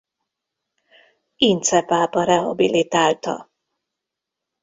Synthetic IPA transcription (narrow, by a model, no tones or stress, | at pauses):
int̪sɛpaːpɒɾɛɦɒ̰bilit̪aːlt̪ɒ̰